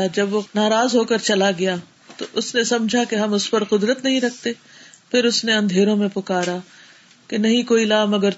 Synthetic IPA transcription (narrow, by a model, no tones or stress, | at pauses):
d͡ʒɐbʋonaːɾaːzɦoːkɐɾt͡ʃɐlaɡɐjaː | t̪oʔʊsnesɐ̃md͡ʒʱakeɦɐmʊspɐɾqʊd̪ɾət̪nɐɦĩɾɐk̚ʰt̪e | pʰɪɾʊsneɐ̃nd̪ʱeːɾõmẽpʊkaːɾa | kenɐɦĩkoːilaːmɐɡəɾ